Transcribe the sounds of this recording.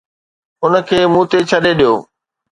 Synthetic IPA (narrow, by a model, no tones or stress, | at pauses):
ʊnə̆kʰeːmũt̪et͡ɕʰɐɗeɗijoː